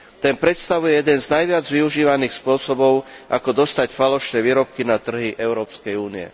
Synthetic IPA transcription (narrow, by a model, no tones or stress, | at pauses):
t̪ɛnpɾɛt̪st̪aʋujɛjɛd̪ɛnznajʋɪad͡zʋiuʒiːʋaniːxspʊɔsɔbɔʊʔakɔd̪ɔst̪acfalɔʃnɛːʋiːɾɔp̚kinat̪r̩ɦiʔɛʊɾɔːpskɛjuːniɛ̰